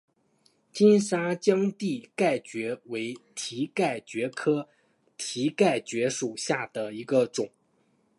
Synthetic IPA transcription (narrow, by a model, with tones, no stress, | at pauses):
t͡ɕi˥nʂa˥t͡ɕjɑ˥ŋt̪i˥˩ka˥˩ɪt͡ɕɥɛ˧˥we˧˥ɪt̪ʰi˧˥ka˥˩ɪt͡ɕɥɛ˧˥kʰɤ˥ | t̪ʰi˧˥ka˥˩ɪt͡ɕɥɛ˧˥ʂu˨˩ɕja˥˩d̪̥ə˩i˧˥ɡə˧ʈ͡ʂʊ˨˩˦ŋ